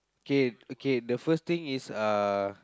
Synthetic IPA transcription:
okeokedəfəst̪ĩŋisa

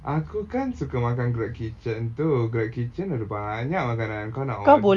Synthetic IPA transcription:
ʔakukansukamakanɡɾaʔ̚kit͡ʃənt̪uɡɾaʔkit͡ʃənudabaɲaʔ̚makanankanaʔkawbo

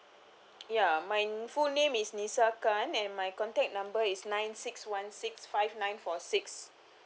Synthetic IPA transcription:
jamajfulnẽmisnisəkə̃nɛ̃nmajkɔ̃ntɛk̚nãmbəisnãj̃nsikswãnsiksfaɪvnãɪ̃nfɔsiks

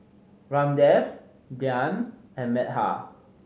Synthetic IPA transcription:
ɹamdɛf | diãnɛ̃nmɛʔ̚ɦa̰

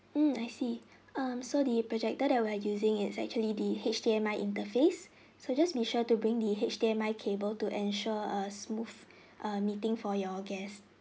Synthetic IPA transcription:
m̩ajsi | ʌmsodəpɹɔd͡ʒɛk̚tədɛt̚wiəjuzɪ̃ŋɪtsɛ̰k̚t͡ʃuəlidihet͡ʃdiɛ̃maɪʔĩntəfesː | od͡ʒasbiʃutubɹɪ̃ŋdiɦet͡ʃtiɛmaɪkʰebəltuʔɛ̃nʃɔəsmuf | ʔʌmitɪ̃ŋfɔjɔɡɛs

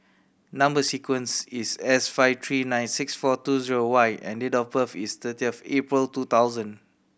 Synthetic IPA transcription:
nãmbəsikwə̃nsisɛsfaɪt̪ʰɹinãj̃nsɪksfɔtuziɹowaɪɛ̰̃ndetɔfbəfist̪ətiɔfepɹəltut̪awzə̃n

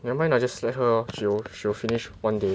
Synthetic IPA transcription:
nɛmãɪ̃nad͡ʒaslɛt̚həʃiʃilfiniʃwãnde

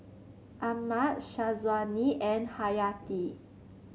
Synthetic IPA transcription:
ʔamatʃazwaniɛ̃nhajat̪i

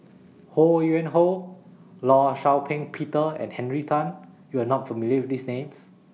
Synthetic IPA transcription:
hojuɛ̃nɦo | lɔʃawpʰẽŋpʰitəɛ̰̃nhɛ̃nɹitʰɔ̃n | juanɔtfəmiljəwidisnẽms

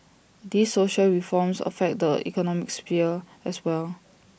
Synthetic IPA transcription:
disːoʃəlɹifɔ̃msə̰fɛk̚dəʔḭkɔnɔmik̚spiə | ɛswɛl

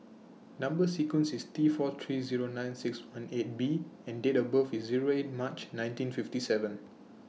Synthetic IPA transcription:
nãmbəsikə̃nsist̪ifɔt̪ʰɹiziɹonãjnsikswãnet̚biɛ̃ndetəbəfisziɹoet̚mat͡ʃnãɪj̃ntĩnfiftisɛvə̃n

